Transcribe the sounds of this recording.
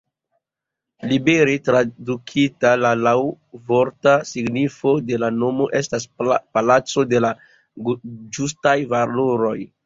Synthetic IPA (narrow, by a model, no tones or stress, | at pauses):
libeɾetɾadukʰitalalaw | vo̞ɾtasiɡnifo̞de̞lano̞mo̞ʔe̞staspalat͡so̞de̞la | d͡ʒus̬tajvaloɾo̞j